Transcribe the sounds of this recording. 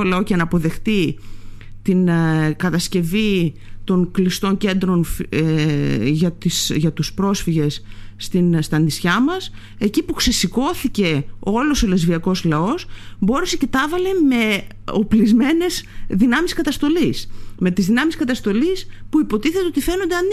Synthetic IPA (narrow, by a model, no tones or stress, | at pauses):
olɐo̞cenɐpo̞ðe̞xt̪i | t̪inkɐt̪ɐsce̞vit̪o̞ŋklist̪o̞ɲce̞nd̪ɾo̞nf | ʝɐt̪isʝɐt̪uspɾo̞sfiʝe̞sːt̪inst̪ɐnd̪isçɐmɐs | e̞cipukse̞siko̞θice̞o̞lo̞sole̞zviɐko̞zlɐo̞sbo̞ɾesecet̪ɐvɐle̞me̞ | oplizme̞ne̞z̥ðinɐmiskɐt̪ɐst̪o̞lisme̞t̪izðinɐmiskɐt̪ɐst̪o̞lispuipo̞t̪iθet̪eo̞t̪ife̞no̞nd̪eɐn